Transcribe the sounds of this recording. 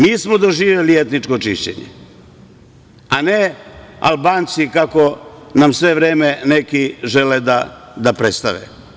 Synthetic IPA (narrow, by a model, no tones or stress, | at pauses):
miːsmod̪o̞ʒiːʋjelie̞t̪nit͡ʃko̞t͡ʃiʃt͡ɕḛɲḛ | ane̞a̰lˠbaːnt̪sikako̞namsʋe̞ʋɾeːmenekiʒe̞led̪ad̪apɾe̞t̪st̪aʋḛ